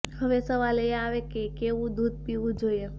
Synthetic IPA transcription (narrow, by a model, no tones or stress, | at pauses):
ɦəʋesəʋaːlejeaːʋekekeʋud̪uːd̪̚piud͡ʒoje